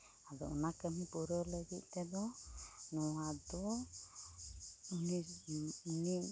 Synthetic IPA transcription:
adɔɔnakəmipuɾɔləɡit̪̚ˀt̪ɛd̪ɔnɔwad̪ɔ | uniuni

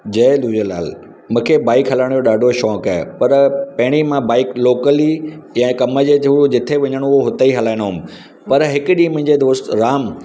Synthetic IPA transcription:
d͡ʑɐːɗ̪uːd͡ʑəla̰ːl | mũːkʰebaːɪkɦɐlaɪɽ̃joɗaːɖʱoʃɔːkaːepɐɾpɐɦɪɽ̃imãbaːɪkloːkəlijɛ̃ːkɐməd͡ʑeːud͡ʑɪt̪ʰeʋɐɲəɽ̃ooɦʊt̪aiɦɐlaːɪnoɦʊm̆ | pɐɾɦɪkʊɗĩːmʊ̃ɦɪ̃ɲd͡ʑed̪oːst̪ɾaːm

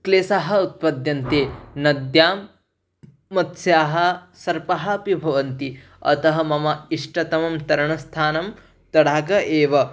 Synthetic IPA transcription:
kleːsaːɦɐ̆ut̪̚pɐd̪jɐnt̪eːnɐd̪jaːmː | ɐt̪sjaːɦɐ̆ | sɐɾpɐɦɐɐpibʱɐʋɐnt̪i | ɐ̰t̪ɐɦɐmɐmɐiʂʈɐt̪ɐmɐmt̪ɐɾɐɳɐst̪ʰaːnɐm | t̪ɐɽaːɡɐʔeːʋɐ

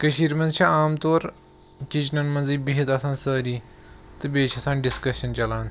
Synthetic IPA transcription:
kɐʃiːɾmɐnzt͡ʃʰɐaːmt̪oːɾ | t͡ʃit͡ʃnɐnmɐnziːbiɦit̪asʰãːnsəːɾiː | t̪ɨbeːt͡ʃʰɐsãːnɖiskɐsɐnt͡ʃɐlaːn

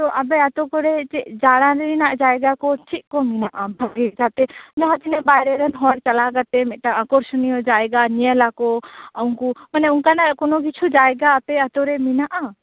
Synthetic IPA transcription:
t̪ɔʔabɛat̪ɔkɔɾɛt͡ʃɛʔd͡ʒaɽ̃ãɾɛɾinaʔd͡ʒajɡakɔt͡ʃʰiʔ̚kɔminaʔabʱaɡik̚d͡ʒʰat̪ɛd͡ʒaɦat͡ʃʰinɛbajɾɛɾɛnɦɔɾt͡ʃalaɡat̪ɛmɛt̪̚ʈaakɔɾsɔnijɔd͡ʒajɡanialakɔawŋkumanɛuŋkanakɔnɔkit͡ʃʰud͡ʒajɡaːt̪ɛat̪ɔɾɛminaʔa

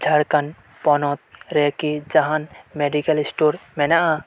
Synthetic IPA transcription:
d͡ʒʱɐɽkɐn | pɔnot̪̚ɾekid͡ʒɐɦanmeɖikɐlisʈoːɾmenaa

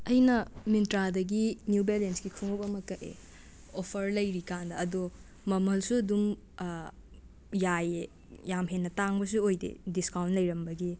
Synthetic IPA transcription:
ɐjnɐmintɾadɐɡinjubelensɡikʰuŋopɐmɐkɐʔḛ | opʰɐɾlɐjɾikandɐːdo | mɐmɐlsuɐdum | jaje | jamɦenːɐtaŋbɐs̬uojdḛdiskawnt̚lɐjɾɐmbɐɡi

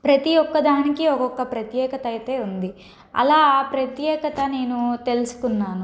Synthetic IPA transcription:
pɾɐt̪ijɔkːɐd̪aːnikiɔkɔkːɐpɾɐt̪jɛːkɐt̪ɐjt̪e̞ːund̪i | ɐ̰laːpɾɐt̪jɛːkɐt̪ɐne̞ːnut̪e̞lusu̥kunːaːnu

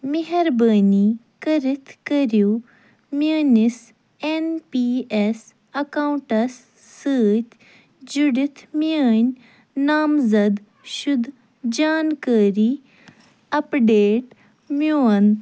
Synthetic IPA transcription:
miɦɐɾbɐːni | kɐɾit̪ʰkɐɾjuː | məːnis | enpiːes | ɐkauɳʈɐsː | əːt̪ʰ | d͡ʒuɽit̪ʰmiaːnʲ | naːmzɐd̪ | ʃʊd̪ | d͡ʒaːnkaːɾiː | ɐpɖeːʈ | mjoːɐn

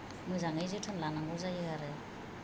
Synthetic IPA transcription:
mɯjzaŋɯjzɯtʰɯnlanaŋɡuzajɯɡaɾe

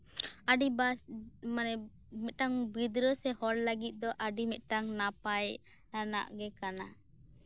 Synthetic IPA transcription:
aɖibamanɛ | mɛt̪̚ʈaŋbid̪ɾəsɛhɔɽləɡit̪̚ˀd̪ɔʔaɖimɛt̪̚ˀʈaŋnapaj | ana̰ʔɡɛkana

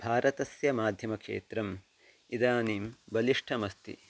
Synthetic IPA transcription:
bʱaːɾʔɐt̪ɐsjɐmaːd̪ʱjɐmɐkʂḛːt̪ɾɐm | id̪aːniːmbɐliʂʈʰɐmɐst̪ḭ

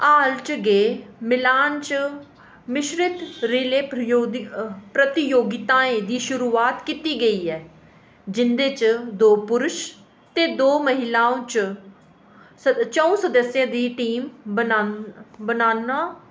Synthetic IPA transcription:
aːlt͡ʃɡeːmɪlaːnt͡ʃ | mɪʃɾɪt̪ɾileːoːpɾət̪ɪjoːɡɪt̪ãːẽːd̪iːʃʊɾuːaːt̪kit̪iːɡəiːɛː | d͡ʒɪnd̪eːt͡ʃd̪oːpʊɾʊʃ | t̪eːd̪oːməɦɪlaːõːt͡ʃ | t͡ʃəõːsəd̪əsːɪjãːd̪iːʈiːmbənabənaːnaː

